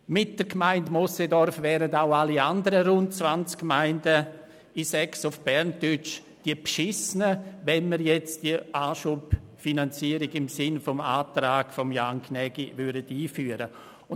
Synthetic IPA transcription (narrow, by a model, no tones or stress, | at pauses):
mɪt̚d̥əɾkmaɪntmɔsedɔɾfvɛːɾədaʊaliandəɾəɾʊnt̚t͡svant͡skːmaɪndə | isɛksʊfb̥ɛɾntʏt͡ʃ | d̥iəbʃɪsnəvɛnməɾjɛt͡sd̥iʔaːʃupfinant͡siəɾɪɡɪmsɪnfɔma̰ːtɾaːɡfɔmjaŋkʰnɛɡ̥ivʏɐdədiːfyːəɾə | ʊ